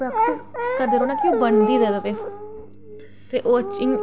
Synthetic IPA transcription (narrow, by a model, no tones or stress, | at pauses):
akːkəd̪eːɾoːnãːkioːbənd̪iːd̪eːd̪at̪eː | t̪eːʔoːət͡ʃɪŋ